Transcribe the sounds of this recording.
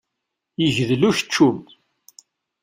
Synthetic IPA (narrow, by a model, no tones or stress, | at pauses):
jəʝðluçə̥t͡ʃːum